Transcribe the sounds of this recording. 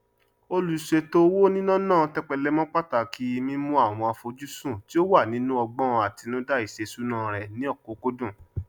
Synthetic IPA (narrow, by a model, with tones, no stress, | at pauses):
o˧lu˨˦ʃe˧to˦wo˦nĩ˦nã˦nãː˦˨tɛ˦k͡pɛ˧lɛ˦mɔ̃˦k͡pa˦ta˨kʰi˦˧mĩ˦mũ˦a˦˨w̃ɔ̃˧a˧fo˧d͡ʒu˦sũ˦˨ti˦o˦wa˦˨nĩ˨˦nũ˦ɔ˧ɡ͡bɔ̃˦˧a˨ti˧nũ˦da˦i˦˨ʃe˨˧su˦nã˦˨ɾɛ˨nĩ˨˦ɔ˦˨ko˨˦ko˦dũ˦˨